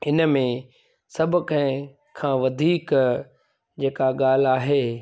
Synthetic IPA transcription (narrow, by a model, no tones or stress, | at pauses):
ɪn̆mẽ | sɐbʱʊ̆kɐ̃ɦɪ̃ | kʰãːʋɐd̪ʱiːk | d͡ʑeːkaɠaːl̤aːɦeː